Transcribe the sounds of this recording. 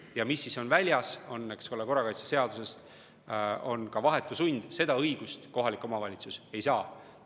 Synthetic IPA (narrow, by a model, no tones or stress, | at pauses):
jɑmisːiso̞nvælʲjɑso̞nːeksko̞leko̞rːɑkɑjt̪se̥se̞ɑd̪̥use̞st̪ | o̞nkɑvɑɦe̞t̪ːˑusunʲd̪̥se̞d̪ɑɤjɡ̥ust̪ko̞ɦɑlikːˑo̞mɑvɑlʲit̪suse̞jsɑː